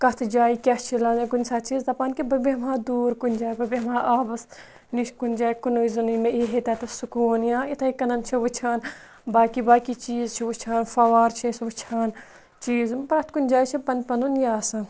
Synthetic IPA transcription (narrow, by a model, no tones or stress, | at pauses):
kɐt̪ʰd͡ʒaːikʲɐt͡ʃʰilaːnzɐkunʲsaːt͡ʃiːzd̪ɐpaːnkibɐbemãːd̪uːɾkunʲd͡ʒaːjbɐbemãːʔaːbɐs | niʃkunʲd͡ʒaːjkunoːizɐnumẽiɦet̪at̪ɐsukuːnjãːit̪ʰɐikɐnɐnt͡ʃʰiʋut͡ʃʰaːn | baːkibaːkit͡ʃiːzt͡ʃʰiʋut͡ʃʰaːnfɐʋaːɾt͡ʃʰisʋɐt͡ʃʰaːn | t͡ʃiːzbɾɐt̪ʰkunʲd͡ʒaːjt͡ʃʰipɐnpɐnunjaːsɐ